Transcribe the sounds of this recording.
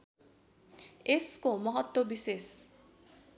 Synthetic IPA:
eskomʌɦʌt̪wʌbises

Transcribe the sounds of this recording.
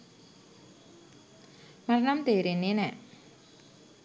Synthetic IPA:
marnamd̪̥e̤ɾenenɛʔ

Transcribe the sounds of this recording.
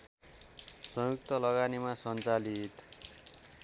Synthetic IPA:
sʌjuk̚t̪ʌlʌɡanimasʌnt͡salit̪

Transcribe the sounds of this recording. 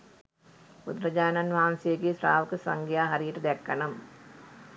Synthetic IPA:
pud̪ɾɐd͡ʒaːnɐnʋaːmseːɡisɾaːʋɐkəsɐŋɡijaːɦɐɾijiʈəd̪ɛkːɐnɐm

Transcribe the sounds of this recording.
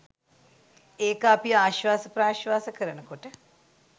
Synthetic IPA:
eːkapiaːʃʋaːsəpɾaːʃʋaːsəkəɾənəkoʈə

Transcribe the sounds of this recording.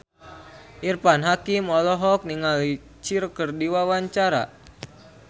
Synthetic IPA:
ʔirpanɦakimɔlɔɦɔk̚niŋali | t͡ʃiɾkərdiwawaɲt͡ʃaɾa̰

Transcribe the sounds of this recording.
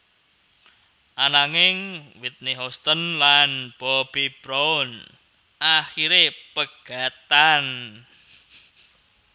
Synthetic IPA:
ʔanaŋɪŋwit̪̚neɦɔst̪ənlanb̥ɔb̥ib̥ɾoʊn | ʔaxiɾepəɡ̥a̤t̪an

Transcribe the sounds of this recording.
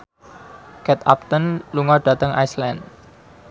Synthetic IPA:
kɛt̪ap̚t̪ənluŋɔɖ̥ä̤t̪əŋa̰jslɛnd̪

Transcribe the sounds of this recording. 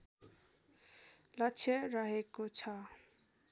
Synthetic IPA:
lʌt͡sʰjʌɾʌɦekot͡sʰʌ

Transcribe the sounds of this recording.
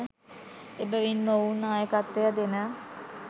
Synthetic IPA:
ebəʋinmounːaːjəkat̪ːejəd̪enə

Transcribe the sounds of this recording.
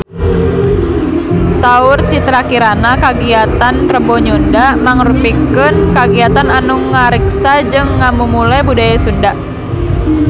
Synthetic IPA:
saʊrt͡ʃit̪ɾakiɾanakaɡiat̪anrəbɔɲundamaŋrupikənkaɡiat̪ananuŋaɾiksad͡ʒɨŋːamumulɛbudajasundaʔ

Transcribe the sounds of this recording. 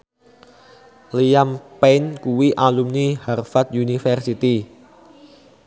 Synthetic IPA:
lijampɛnkuwiʔalumniharfat̪̚junifɛrsit̪i

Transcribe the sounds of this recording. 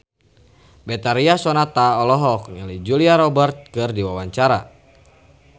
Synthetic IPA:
bɛt̪aɾiasɔnat̪aɔlɔɦɔkŋalid͡ʒuliaɾɔbərt̪̚kɨrdiwawaɲt͡ʃaɾa

